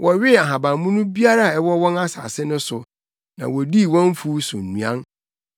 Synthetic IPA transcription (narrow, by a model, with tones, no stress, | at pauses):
wʔɔ˨ɥɪ˦˨a˨ɦã˨bã˨mũ˦nũ˦bi˦a˦ɾa˦˨ɛ˦wɔ˦wɔ̃˦na˦sa̰ː˨sɪ˦nʊ̃˦sʊ˨ | nã̰˨wɔ˨di˦˨wɔ̃˦ɱ˦fu˦sʊ̰˨n̩˨nũ˨ã˦n